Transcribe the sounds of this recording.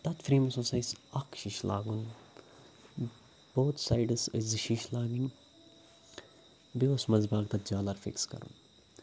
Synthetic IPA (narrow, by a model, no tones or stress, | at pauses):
t̪ɐt̪fɾiːmɐsõsɐjsɐkʃiʃla̰ːɡun | b̥oːt̪ʰsaːjɖɨsɨzʃiʃlaːɡiŋ | biosmɐzbaːɡ̚t̪ɐt̪d͡ʒaːlɐɾfḭkskɐ̰ɾṵn